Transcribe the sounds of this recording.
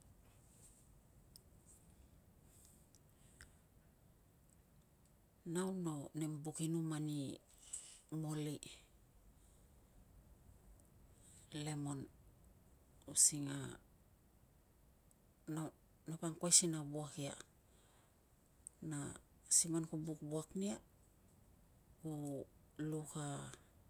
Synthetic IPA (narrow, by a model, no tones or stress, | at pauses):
nawno̞nembukinumani | moli | lemon | usiŋa | na | napaŋkwajsinabuakia̰ | na | simonkubukbuaknia | ku | luka